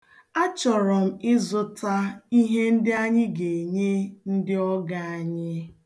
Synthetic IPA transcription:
a˦t͡ʃɔ˨ɾɔ˨m̩˦ɪ˦zʊ˦ta˦i˦ɦe˦n̩˦dɪ˦a˦ɲɪ˦ɡe˨ɲe˦n̩˦dɪ˦ɔ˦ɡa˨a˨ɲɪ˦

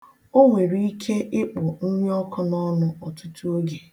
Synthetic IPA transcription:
o˦ŋʷe˨ɾi˦i˦kʰe˦ʔɪ˦k͡pʊ˨n̩˦mjɔ˦kɔ˦nɔ˦nʊ˦ɔ˨tʊ˦tu˦o˦ɡe˨

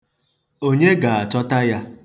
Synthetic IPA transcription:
o˦ɲe˦ɡa˨a˨t͡ʃɔ˦ta˦ja˦

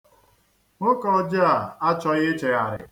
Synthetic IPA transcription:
ŋʊ˦kɔ˦˨˦d͡ʒa˦˨a˦t͡ʃɔ˦ɣɪ˦t͡ʃe˨ɣa˨ɾɪ̰˨

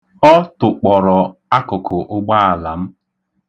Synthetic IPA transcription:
ɔ˦tʊ˨k͡pɔ˨ɾɔ˨a˦kʊ˨kʰʊ˨ʔʊ˦ɡ͡ba˦a˨la˨m̩˦

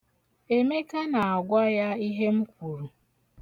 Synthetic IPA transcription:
e˨me˦ka˦na˨a˨ɡʷa˦ja˦i˦ɦe˦m̩˦kʷu˨ɾu˨

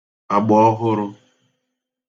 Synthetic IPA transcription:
a˨ɡ͡bɔ˨ɔ˦ɦʊ˦ɾʊ˦

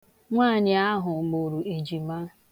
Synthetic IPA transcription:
ŋʷaː˦˨ɲɪ˨a˦ɦʊ˨ɡ͡bo˨ɾu˨e˨d͡ʒi˨ma˦

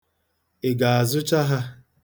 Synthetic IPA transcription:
e˨ɡa˨a˨zʊ˦t͡ʃa˦ɦa˦

